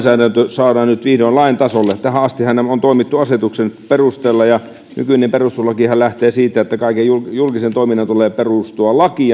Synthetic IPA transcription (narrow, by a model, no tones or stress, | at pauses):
sæːɾænt̪øsɑːɾɑːnnyt̪ʋiːhdoinlɑint̪ɑsolːet̪æhæɑst̪ihænːæmont̪oˑimit̪ːuɑset̪uksenperust̪eːlːɑjɑ | ny̰kynemperust̪uslɑkihællæht̪eːsiːt̪ːæet̪ːækɑˑikejjuljulkisent̪oiminːɑnt̪uleːperust̪uɑlɑki